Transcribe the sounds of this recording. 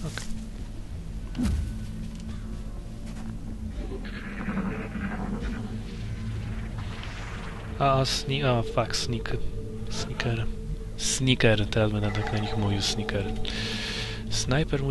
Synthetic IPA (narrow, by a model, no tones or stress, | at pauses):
ɔk | aasnʲiafaksnʲik | snʲikɛɾ | sɲʲikɛɾt̪ɛɾazbɛd̪ɛd̪aknaɲʲixmuvʲiwsnʲikɛɾ | snajpɛɾmu